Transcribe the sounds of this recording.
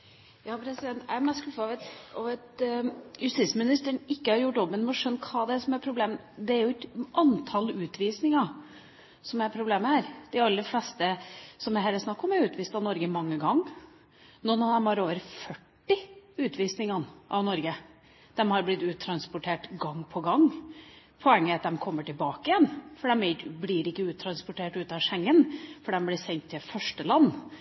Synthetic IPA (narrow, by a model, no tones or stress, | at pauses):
jɑːpʰɾɛsɪd̪ɛnt̪æmɛskʉfɑʋɛt̪ɑʋɛt̪jʉst̪iːsmɪnɪst̪əɳɪkːəhɑɾjʊʈːjoːpənmɛɔʂœnːkʰɑːd̪ɛæɾʂɔmæɾpʰɾʊbleːm | d̪ɛæɾjʊɛt̪ʔɑnt̪ʰɑlʉːt̪ʋiːsnɪŋɑ | sɔmæɾpʰɾʊbleːməhæːɾd̪̥æɑlːəɾflɛst̪əsɔmæɦæːɾəsnɑkːɔmæɾʉːt̪ʰʋiːst̪ɑʋnɔɾɡəmɑŋːəɡɑŋː | nunɑd̪ɛmhɑɾoːʋəɾfœʈːɪʉːt̪ʋiːsnɪŋɑnʔɑ̰ʋnɔɾɡə | d̪̥ɛmhɑɾblɪt̪ːʉːt̪ʰɾɑnspʊʈʰeːʈɡɑŋːpʰɔɡɑŋ | pʰɔɛŋːəɑt̪̚d̪ɛmkʰɔmːəʈʰɪlbɑːkəɪjɛnfɔɖɛmɛblɪɾɪkːəʉːt̪ʰːɾɑnspɔʈeːʈʉːt̪ɑʂɛŋːənfɔɖɛmblɪɾsɛnt̪ʰːɪlfœʂʈəlɑnː